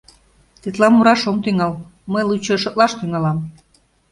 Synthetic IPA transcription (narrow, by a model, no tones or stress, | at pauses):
t̪et̪lɑmuɾɑʃomt̪yŋɑl | məjlut͡ɕɤʃɤ̆t̪lɑʃt̪yŋɑlɑm